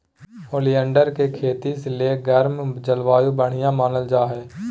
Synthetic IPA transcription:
hoːlijə̃ɳɖəɾkekʰeːt̪iseleːɡɛɾmd͡ʒəlʋaːjubəɽ̤ɪjãmaːnəld͡ʒaːɦɛː

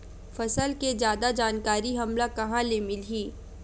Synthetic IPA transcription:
fɐsəlked͡ʒjaːd̪ad͡ʒaːnkaːɾiɦɐmlakɐɦãlemɪlɦiː

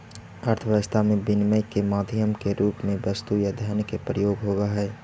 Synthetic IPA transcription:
əɾt̪ʰəʋəʋəst̪ʰamẽbɪnməjkemaːd̪ʱjəmkeɾuːpmẽbɐst̪ujad̪ʱjaːnkepɾəjoːɡɦoːɡaɦɛː

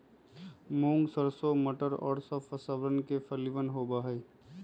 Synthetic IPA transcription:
mõːŋɡsəɾsoməʈəɾɔ̰ːɾsɔfəsaːʋəɾənkefʰəliʋənɦoːbaːɦɛː

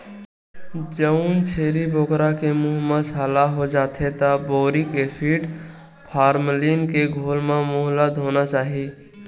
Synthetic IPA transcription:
d͡ʒəunt͡ʃʰeːɾibʱoːkɾakemuɦməsaːlaɦod͡ʒaːt̪ʰet̪aboːɾikepʰiːʈ | pʰaːɾmliːnkeɡʱoːlmãmʊɦlət̪ɦoːnat͡ʃaːɦiː

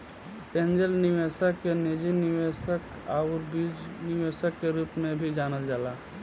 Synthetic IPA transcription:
tẽːnd͡ʒəlnɪʋeːsəkːenid͡ʒinɪʋesək | aːʊɾbiːd͡ʒnɪʋesəkːeɾuːpmẽbʱid͡ʒaːnəld͡ʒaːlaː

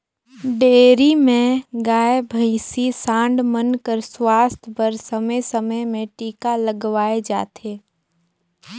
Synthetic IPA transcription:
ɖeːɾimẽɡaːebʱəɪsisãːɳɖmənkəɾswaːst̪ʰpəɾsəməjsəməjmẽʈiːkaləɡʋaːed͡ʒa̰ːt̪ʰeː

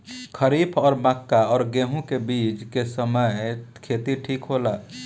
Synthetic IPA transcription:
kʰəɾiːbʰɔːɾməkːaɔːɾɡeːɦũkebiːt͡ʃkesəməjkʰet̪iʈʰiːkɦola

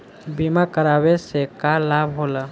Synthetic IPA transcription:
bimakəɾaːwesekalabɦoːla

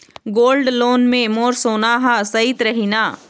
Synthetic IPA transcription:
ɡoːlɖloːnmẽmoːɾsoːnaːɦãsɐit̪ɾɐɦinaː

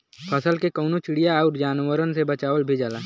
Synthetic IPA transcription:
pʰɐsəlkekɔːnot͡ʃɪɽijaɔːɾd͡ʒaːnwəɾənsebɐt͡ʃaːʋəlbʱid͡ʒaːlaː

